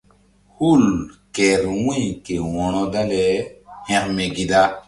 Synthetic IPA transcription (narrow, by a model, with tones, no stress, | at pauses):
hu˦lke˨ɾwĩ˦jke˨wɔ̃˨nɔ̃˦da˦le˨hɛ̃˨kme˨ɡi˨da˦